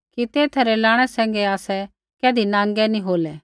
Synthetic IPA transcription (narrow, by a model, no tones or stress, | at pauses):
kit̪eːt̪ʰɾɛlãːɽ̃ɛsɛ̃ːŋ̆ɡɛaːsɛ | kɛːd̪ʱinãːŋɡɛnĩɦoːlɛː